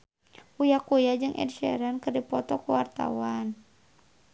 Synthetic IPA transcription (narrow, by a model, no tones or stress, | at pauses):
ʔujakujad͡ʒɨŋʔɛ̰dʃɛ̰ɾankɨrdipɔt̪ɔkuwart̪a̰wan